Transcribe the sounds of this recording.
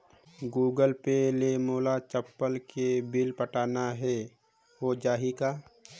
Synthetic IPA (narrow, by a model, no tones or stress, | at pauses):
ɡuːɡəlpelemoːlat͡ʃəpːəlkebɪlpəʈaːnaɦɛː | ɦod͡ʒaːɦikaː